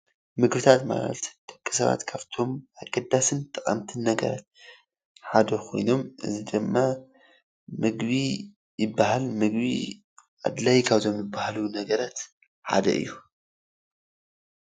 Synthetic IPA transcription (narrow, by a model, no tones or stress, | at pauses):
mɨɡbɨt̪ʰat̪ma̰l̰ɐ̰t̪d̪̥ɐkʼːɨ̥sɐβa̰t̪kʰaβt̪ʰo̞maɡɐd̪ːasɨnt̪ʰʼɨχʼɐmt̪ʰɨnːɐɡɐ̰ɾa̰t̪̚ | ħad̪ɐkʰo̞̰jno̞mʔɨ̰zid̪ɨmːa | mɨɡβi | jɪbːaɦalmɨɡbḭ | ʔa̰d̪lajkʰaβzo̞mjɨbːahalunɐɡɐɾat̪ | ħa̰d̪ɐ̰ʔɨ̰jːu